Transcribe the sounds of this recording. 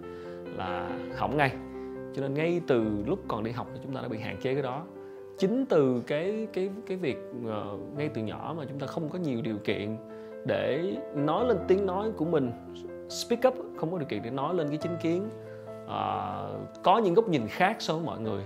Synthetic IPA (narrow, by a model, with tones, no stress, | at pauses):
la̰ː˨˩hɔ̰˧˩wk͡p̚ŋa˧jt͡ɕɔ˧ne˧nŋa˧jt̪ɨ˨˩lʊ˦˥k͡p̚kɔ˨˩nɗi˧ɦa˨˩wk͡p̚n˨˩t͡ɕʊ˨˦ŋ͡mt̪aː˧ɗ̰aː˧ɓ̰ḭ˧˨ɦa̰ː˧˨nt͡ɕe˨˦kaː˨˦jɗɔ˨˦ | t͡ɕï˨˦ŋ̟t̪ɨ˨˩kaː˨˦jkaː˨˦jkaː˨˦jvi˨˩ək̚ʔə˨˩ŋa˧jt̪ɨ˨˩ɲɔ˧˩maː˨˩t͡ɕʊ˨˦ŋ͡mt̪aː˧xə˧wŋ͡mkɔ˨˦ɲi˨˩əwɗi˨˩əwkḭ˧˨ən | ɗe˧˩nɔ˨˦jle˧nt̪i˨˦əŋnɔ˨˦jku˧˩əmï˨˩ŋ̟ | spi˦˥kə˦˥p̚xə˧wŋ͡mkɔ˨˦i˨˩wkḭ˧˨n˨ɗe˧˩˦nɔ˨˦jle˧nkaː˨˦jt͡ɕï˨˦ŋ̟ki˨˦ən | ʔəː˨˩kɔ˨˦ɲɨ̰˧˥ŋɣə˦˥wk͡p̚ɲi˨˩nxaː˦˥k̚sɔ˧wvəː˨˦jmɔ̰˧˨jŋɨ˨˩əj